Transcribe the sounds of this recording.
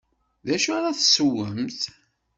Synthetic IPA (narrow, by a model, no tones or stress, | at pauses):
ðæʃaɾaθsəwəmθ